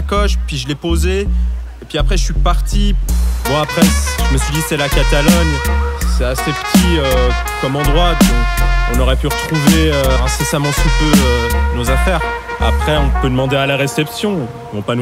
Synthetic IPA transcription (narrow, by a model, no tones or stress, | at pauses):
kɔʃpɥiʒəlɛpoze | epɥiapχɛəʃɥipaʁt̪imwaːpχɛʒəməsɥid̪isɛlakat̪alɔɲsɛasepə̥t̪ʰiø | kɔmɑ̃d̪ʁwad̪ɔ̃ɔ̃nɔʁɛpyʁət̪χuveøɛ̃sesamɑ̃sut̪øønozafɛːʁa̰pχɛɔ̃pød̪əmɑ̃d̪ealaʁesɛpsjɔ̃ | mɔ̃panu